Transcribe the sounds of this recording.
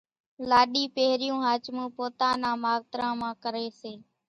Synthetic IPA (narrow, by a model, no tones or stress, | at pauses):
laːɗiːpeːɾɪjũːɦaːt͡ʃmũːpoːt̪ãːnãːmaːʋt̪ɾãːmãːkəɾeːseː